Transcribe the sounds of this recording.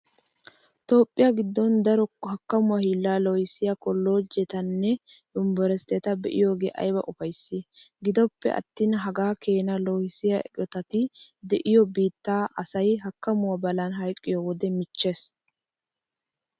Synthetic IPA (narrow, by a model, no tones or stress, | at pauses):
t̪o̞ːpʼːɪjɐɡɪd̪ːɔnd̪ɐɾɔhɐkːɐmʊwɐhiːlːaːlɔhɪsɪjɐkɔlːo̞ːd͡ʒɛt̪ɐnːɛ | d̪ʊmbɔɾɛst̪ːɛt̪ɐbɛʔɪ̰jo̞ːɡḛːʔɐ̰jbɐ̰ʔʊfɐjsːɪ | ɡɪd̪ɔpːɛ̰ʔɐ̰t̪ːiːnɦɐɡaːke̞ːnɐloːhɪsɪjɐɛ̰kʼɔt̪ɐt̪ɪd̪ɛʔɪjɔbiːt̪ːaːʔɐsɐjɦɐkːɐmʊwɐbɐlɐnɦɐjkʼːɪjɔwɔd̪ɛmɪt͡ʃːeːs